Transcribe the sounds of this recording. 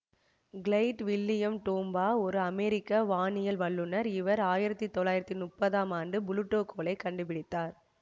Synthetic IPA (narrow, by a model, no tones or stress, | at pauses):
ɡɪɭɐɪʈʋɪlːɪjɐmʈoːmbaːɔɾɯɐmɛːɾɪkːaʋaːɳɪjɐlʋɐɭːɯnɐɾɪʋɐɾaːjɪɾɐt̪ːit̪ːɔɭːaːjɪɾɐt̪ːinʊpːɐðaːmaːɳɖɯbʊlɯʈːoːkʰoːlɐɪkɐɳɖɯpɪɽɪt̪ːaːɾ